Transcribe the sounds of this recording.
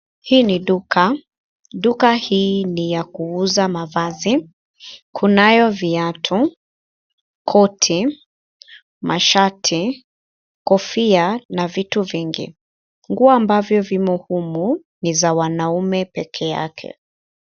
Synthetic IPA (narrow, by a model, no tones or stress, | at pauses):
hiːniɗuka | ɗukahiːnijakuuzamavazi | kʰunajɔviatʰu | kʰɔtʰi | mʔaʃatʰi | kɔfianavituviŋɡḭ | ŋɡuɔːmbavjɔvimuhumu | nizawanaumɛpɛkʰɛja̰kʰɛ̰